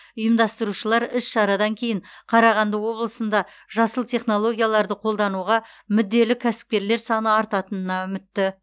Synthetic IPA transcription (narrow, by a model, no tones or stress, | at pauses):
ʊjəmd̪ɑst̪əɾuʃəlˠɑɾɪsʃɑɾɑd̪ɑŋkʲʰe̞jɪɴqʰɑɾɑʁɑnd̪əwo̞blˠəsənd̪ɑ | ʒɑsəlˠt̪ʰe̞χno̞lˠo̞ɡʲijalˠɑɾd̪əqʰo̞lˠd̪ɑnuʁɑmʏd̪ːe̞lɪkʲʰæsɪ̥p̚kʲe̞ɾle̞ɾsɑnəɑɾt̪ɑt̪ənənɑʏmɪt̪ːɪ